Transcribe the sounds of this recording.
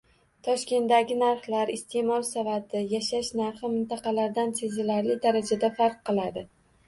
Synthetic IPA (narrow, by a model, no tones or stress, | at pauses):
t̪ʰɒʃkʲe̞nd̪aɡʲɪnaɾχlaɾɪst̪ʰe̞mɒlˠsavat̪ʰɪjaʃaʃnaɾχɨmɪnt̪ʰɑqɑlaɾd̪ant̪ʰezɪlaɾlɪd̪aɾad͡ʒad̪afaɾqːɨlˠad̪ɪ